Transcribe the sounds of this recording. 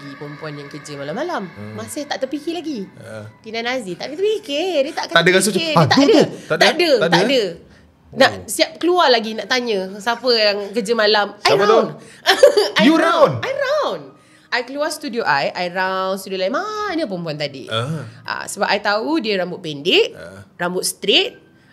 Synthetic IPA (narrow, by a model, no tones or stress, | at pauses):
ipəmpuanjaŋkəd͡ʒəmalamːalammasɪht̪aʔt̪əpikilaɡi | kinanazit̪a̰ʔdət̪əpikedət̪aʔkəadəɡasoət̪audəad̪adət̪at̪adə | naʔsiap̚kəlualaɡinaʔt̪aɲə̃sapəjaŋkəd͡ʒəmalamsajɾaaan | ajuɾawnajɾawn | ʔajkəluast̪udioʔajʔajɾawnst̪udiolaimanəpɾəmpuant̪adḭʔa̰səbap̚ajt̪audiəɾambʊʔ̪̚pɛndɪʔ̚rambʊt̪̚st̪ɾet̪̚